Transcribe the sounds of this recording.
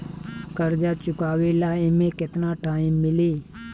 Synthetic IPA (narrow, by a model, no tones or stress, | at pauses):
kəɾd͡ʒat͡ʃʊkaːwelaːĩmẽkɪt̪naʈaːɪmːɪleː